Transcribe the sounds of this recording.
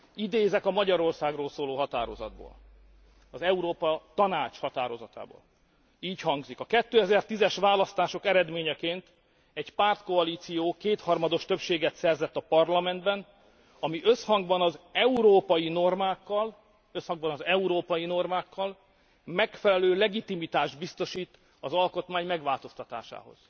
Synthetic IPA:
id̪eːzɛkɒmɒɟɒɾo̞rsaːɡroːlsoːloːɦɒt̪a̰ːɾo̞zɒ̰d̪̚bo̰ːl | ɒzɛuɾoːpɒt̪ɒnaːt͡ʃhɒt̪aːɾo̞zɒt̪a̰ːbo̰ːl | iːchɒŋɡzikɒkɛt̪ːøːɛzɛrt̪izɛʃʋaːlɒst̪aːʃo̞kɛɾɛd̪meːɲɛkeːnt̪ | ɛɟpaːrt̪ko̞ɒliːt̪sijoːkeːt̪hɒrmɒd̪o̞ʃt̪ø̞pʃeːɡɛt̪sɛrzɛt̪ːɒpɒrlɒmɛnd̪bɛn | ɒmiʔøshɒŋɡbɒnɒzɛuɾoːpɒjino̞rmaːkːɒl | øshɒŋɡbɒnɒzɛuɾoːpɒjino̞rmaːkʰːɒl | mɛkfɛlɛløːlɛɡit̪imit̪aːʒd̪̚bist̪o̞ʃiːt̪ | ɒzɒlko̞t̪maːɲmɛɡʋaːlt̪o̞st̪ɒt̪a̰ːʃa̰ːɦo̞̰z̥

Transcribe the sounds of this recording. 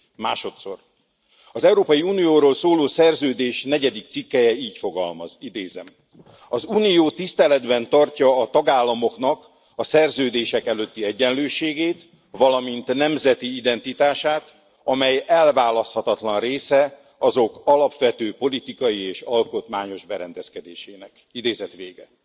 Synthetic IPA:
ma̰ːʃo̞t̪so̞̰r | ɒzɛuɾoːpɒjiuːnijoːɾoːlsoːloːsɛrzøːd̪eːʃnɛɟɛd̪ik̚t̪sikːɛjɛiːcfo̞ɡɒ̰lmɒ̰zid̪eːzɛm | ɒzuːnijoːt̪ist̪ɛlɛd̪bɛnt̪ɒrcɒːt̪ɒɡaːlːɒmo̞knɒk | ɒsɛrzøːd̪eːʃɛkɛløt̪ːiɛɟːɛnløːʃeːɡeːt̪ | ʋɒlɒmint̪nɛmzɛt̪iid̪ɛnt̪it̪aːʃaːt̪ | ɒmɛjɛlvaːlɒst̪hɒt̪ɒt̪lɒnreːsɛ | ɒzo̞kɒlɒpʋɛt̪øːpo̞lit̪ikɒjieːʃɒlko̞t̪maːɲo̞ʒbɛɾɛnd̪ɛskɛd̪eːʃeːnɛk | id̪eːzɛt̪ʋeːɡɛ

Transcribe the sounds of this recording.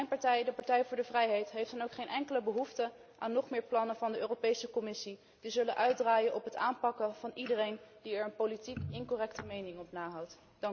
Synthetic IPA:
mɛjnpɑɹtɛjdəpɑɹtɛjvʊːɹdəvrɛjɦejtɦejftənowkχejnʔɛŋkələbəɦuftə | ʔaːnːɔχmɪːɹplɑnəvɑndəøːropejsəkɔmɪsi | d̥izɵləʔœɥ̚draːjənʔɔpɦətaːnpɑkəv̥ɑnidərejnd̥iɛɹənpolitikɪnkorɛktəmejnɪŋɔpnaːɦɑwt | d̥ɑŋk

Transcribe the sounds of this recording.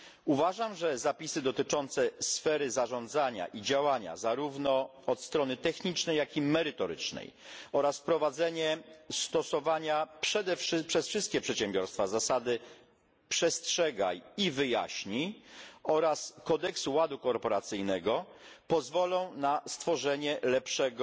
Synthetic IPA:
uvaʐamʐɛzapʲisɘd̪ɔt̪ɘt͡ʂɔnt̪sɛsfɛɾɘzaʐɔnd̪zaɲa̰ʔid͡ʑawaɲa̰zaɾuvnɔ | ɔt̪st̪ɾɔnɘt̪ɛxɲit͡ʂnɛjːakʲimɛɾɘt̪ɔɾɘ̰t͡ʂnɛ̰jɔɾaspɾɔvad̪zɛɲɛst̪ɔsɔvaɲapʂɛd̪ɛfʂpʂɛsfʂɘst̪̚kʲɛpʂɛt̪ɕɛmbʲjɔɾst̪fazasad̪ɘ | pʂɛstʂɛɡa̰jivɘja̰ɕɲiɔɾaskɔd̪ɛksuwad̪ukɔɾpɔɾat̪sɘjnɛɡɔpɔzvɔlɔ̃w̃nast̪fɔʐɛɲɛlɛpʂɛɡ

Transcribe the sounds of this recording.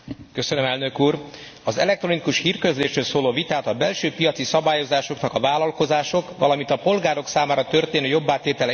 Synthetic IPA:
kø̞sønømɛlnøkuːr | ɒzɛ̰lɛk̚t̪ro̞nikuʃhiːrkøzleːʃrøːlsoːloːvit̪aːt̪ɒbɛlʃøːpijɒt̪sisɒbaːjo̞zaːʃo̞knɒkɒvaːlɒlko̞zaːʃo̞kʋɒ̰lɒmint̪ɒpo̞lɡaːɾo̞ksaːmaːɾɒt̪ø̞rt̪eːnøːjo̞bːaːt̪eːt̪ɛlɛ

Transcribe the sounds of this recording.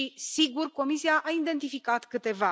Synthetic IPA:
isiɡurko̞misiaʔaid̪e̞nt̪ifikat̪kɨt̪e̞va

